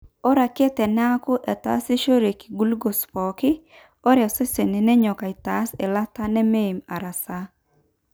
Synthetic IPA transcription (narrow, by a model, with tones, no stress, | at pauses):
ɔ˦ɾa˨ke˦tɛ˨nɛ˦a˦kʊ˦ʔɛ˨ta̰˨˦sɪ˦ʃo˦ɾe˨ki̥˨ɡu˦lɡo˨spɔ˨kɪ˦ | ɔ˦ɾse˦se˨ne˨nɛ˦ɲɔ˨ka˨i˨ta˨˦se˨la˦ta˦nɛ˦me˦˨ma˨ɾa˨sa˦